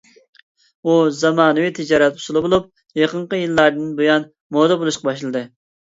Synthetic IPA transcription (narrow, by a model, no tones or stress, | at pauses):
uzɑmɑːnɨwit̪ʰɪd͡ʒɑːɾɛt̪̚u̥sulˠɨbolˠup̚ | jɑqəɴqəjɨlˠːɑɾd̪ɨnbojɑn | moːd̪ɑbolˠuʃqɑbɑʃlˠɨd̪ɨ